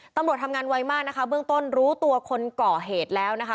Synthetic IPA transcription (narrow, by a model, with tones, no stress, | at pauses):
t̪a˧mɾu˨˩ət̪ʰa˧mŋaː˧nwa˧jmaː˥˩k̚na˦˥kʰa˦˥bɯ˥˩əŋt̪o˥˩nɾuː˦˥t̪u˧ɐkʰo˧nkɔː˨˩ɦeː˨˩t̪̚lɛː˦˥wna˦˥kʰa˦˥